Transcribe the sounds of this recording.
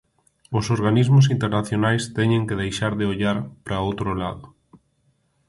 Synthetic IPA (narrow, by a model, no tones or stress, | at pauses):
ʊsoɾɣanizmʊs̬int̪eɾnaθjonajst̪ɛɲeŋkeðejʃaɾðeoʎaɾpɾaowt̪ɾola̰ðʊ